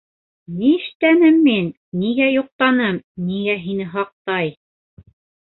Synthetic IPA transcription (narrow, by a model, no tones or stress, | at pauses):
niɘ̆ʃt̪ænɘmːinːiɡæjŏq̚t̪ɑnɤmniɡæɦinɘɦɑq̚t̪ɑj